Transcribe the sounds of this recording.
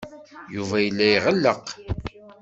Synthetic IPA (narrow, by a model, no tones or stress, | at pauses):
juvæjəlːæjʁəlːəq